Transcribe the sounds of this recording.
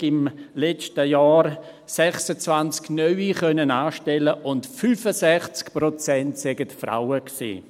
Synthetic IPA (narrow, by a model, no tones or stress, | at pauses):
ɪmlɛt͡ʃtəjaːɾ | sɛχsət͡svant͡sknœʏiχœnənaːʃtɛləʔʊntfyfəsɛχt͡skpɾot͡sɛntsɛɡətfɾa̰wəksḭː